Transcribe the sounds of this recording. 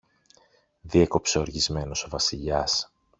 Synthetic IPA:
ðieko̞pseoɾʝizme̞no̞so̞vɐsiʎɐs

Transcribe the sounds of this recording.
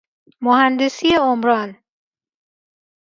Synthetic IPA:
mohænd̪esijeomɾɒːn

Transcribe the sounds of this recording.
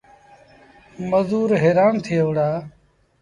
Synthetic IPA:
məzuːɾɦeːɾaːnt̪ʰɪjeʋɽaː

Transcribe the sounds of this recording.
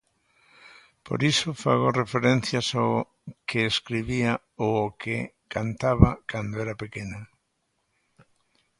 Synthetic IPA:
po̰ɾisofa̰ɣorefeɾen̟θjasa | keːskɾiβia | ookʰe | kant̪aβakand̪oɛɾapekeno

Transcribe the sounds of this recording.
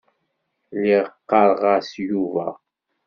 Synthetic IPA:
liʁəqːɑɾˤʁɑsjuvæ̰

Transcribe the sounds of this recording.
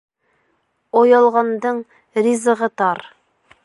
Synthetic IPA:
ojɑlˠʁɑnd̪ɤɴ | ɾʲizəʁɤt̪ɑɾ

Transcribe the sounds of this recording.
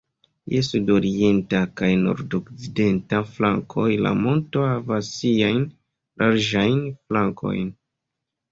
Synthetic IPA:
jesudoɾie̞ntakajno̞̰ɾdokside̞ntaflaŋkʰo̞jla̰mo̞nto̞havasːiajn | lʔaɾd͡ʒajnflaŋkʰo̞̰jn

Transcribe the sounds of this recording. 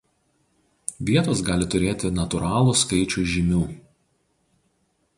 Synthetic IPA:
ʋʲiɛt̪oːsɡɑːlʲɪt̪ʊɾʲeːt̪ʲɪnɐt̪ʊɾɑːlˠuˑskɐɪt͡ʃʲʊːʒʲɪmʲuː

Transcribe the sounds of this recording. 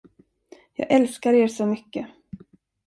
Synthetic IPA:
jɑ̰ːɡʔɛlskaɾeːɾsɔmʏkːə

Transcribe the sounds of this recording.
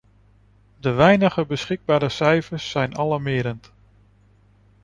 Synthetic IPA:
dəʋɛjnəχəbəsχɪɡ̚baːɾəsɛjfəɹsːɛjnɑlɑmɪːɾənt

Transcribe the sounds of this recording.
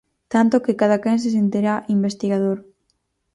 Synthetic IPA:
t̪ant̪okekaðakens̬es̬ent̪iɾaʔimbest̪iɣað̞oɾ

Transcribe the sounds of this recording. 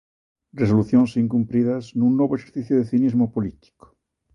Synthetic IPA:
rresoluθjonsiŋkumpɾiðasnunːwoβoexeɾθiθjoðeθinizmopolit̪i̥ko̥

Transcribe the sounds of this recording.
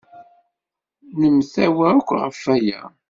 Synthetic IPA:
nəmθæwæɾʊkʷːʁəfːæjæ̰

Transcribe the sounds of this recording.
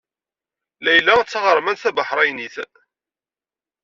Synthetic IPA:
læjəlːat͡sːʁəɾˤmænθæbəħɾˤæjniθ

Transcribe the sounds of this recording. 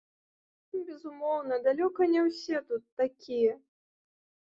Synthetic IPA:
bʲɛzumɔwnɐd̪alʲɔkɐnʲɛwsʲɛt̪ut̪ːakʲijɛ

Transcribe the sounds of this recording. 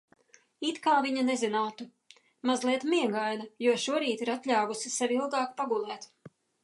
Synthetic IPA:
it̪kaːviɲɐnezinaːt̪u | mazlˠiɛt̪miɛɡajnɐjuɔʃuɔɾiːt̪iɾat̪lʲaːvusisɛvʲilˠɡɑːkpaɡulˠɛːt̪

